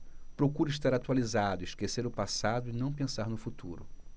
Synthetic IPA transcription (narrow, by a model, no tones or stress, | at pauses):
pɾokuɾiʃt̪aɾat̪walizad̪ʊiʃkeseɾʊpasad̪ʊɪnɐ̃w̃pẽsaɾnʊfut̪uɾʊ